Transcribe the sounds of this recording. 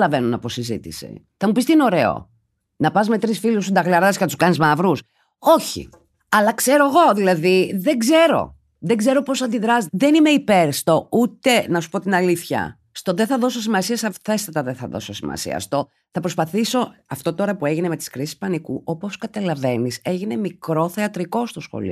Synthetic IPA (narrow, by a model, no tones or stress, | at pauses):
lɐve̞nunɐposizḭt̪ḭsḭ | θɐmupist̪iineo̞ɾe̞o̞̰ | nɐpɐzme̞t̪ɾisfilusud̪ɐɣlɐɾɐscenɐt̪usu̥kɐnizmɐvɾus | o̞çḭ | ɐlɐkse̞ɾo̞eɣo̞ðilɐðiðeɡze̞ɾo̞̰ | ðeɡze̞ɾo̞posɐnd̪iðɾɐsðe̞nime̞ipe̞ɾst̪o̞ut̪e̞nɐsu̥po̞t̪inɐliθçɐ̰ | st̪oðeθɐðo̞so̞simɐsiɐsɐθe̞st̪ɐt̪ɐðeθɐðo̞̰sosimɐ̰sḭɐ̰st̪o̞ | θɐpɾospɐθiso̞ɐft̪o̞t̪o̞ɾɐpue̞ʝineme̞t̪i̥skɾisi̥spɐnikuʔo̞po̞skɐt̪ɐlɐve̞nise̞ʝine̞mikɾo̞θe̞ɐt̪ɾiko̞st̪osxo̰lḭ